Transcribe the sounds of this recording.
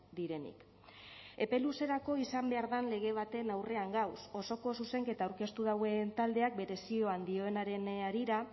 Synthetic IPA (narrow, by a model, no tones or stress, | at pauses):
d̪iɾe̞nḭk | e̞pe̞luse̞ɾako̞isambe̞aɾðanle̞ɣ̞e̞β̞at̪e̞nawre̞aŋɡawso̞so̞ko̞suse̞ŋke̞t̪aːwɾke̞st̪uðaɣent̪ald̪e̞ak̚be̞ɾe̞sio̞and̪io̞enaɾe̞naɾiɾa